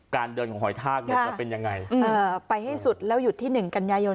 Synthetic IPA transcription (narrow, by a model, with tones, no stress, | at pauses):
kaː˧ndɤː˧nkʰɔː˩˦ŋɦɔ˨˩jt̪ʰaː˥˩k̚nkːʰa˦˥˩aː˥˩pe˧nja˧ŋːa˧jʔɤː˧˩pa˧jha˥˩jsu˨˩t̪̚lɛː˦˥wju˨˩t̪ʰːiː˥˩nɯ˨˩ŋka˧njaː˧jo˧